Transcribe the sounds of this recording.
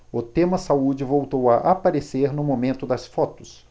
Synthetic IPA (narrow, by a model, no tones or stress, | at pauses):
ʊt̪ẽmɐsaud͡ʒɪvowt̪owɐʔapaɾeseɾnʊmomẽnt̪ʊd̪ɐsfɔt̪ʊ̥s